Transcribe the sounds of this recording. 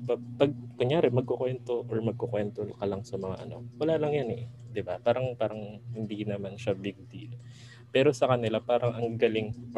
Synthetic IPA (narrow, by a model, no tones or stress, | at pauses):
pɐpɐɡ̚kʊɲjaːɾɛmɐɡ̚kokwɛnt̪o̞ʔoɹmɐɡ̚kokwɛnt̪olkɐlaŋsɐmɐŋa̰ʔɐ̰no̞̰wɐlaːlɐŋjanɛd̪ɪbapaːɾɐŋpaːɾɐŋhɪnd̪inɐmanʃabɪɡ̚d̪iːl | pɛːɾo̞sɐkɐnɪlapaːɾɐŋʔɐŋɡɐlɪŋ